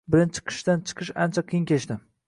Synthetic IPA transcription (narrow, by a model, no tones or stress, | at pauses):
bɪɾɪnt͡ʃʰɪ̥qʰɨ̥ʃd̪ant͡ʃʰɨ̥qʰɨʃa̰nt͡ʃʰaqʰijɪŋkʲʰet͡ʃt̪ɪ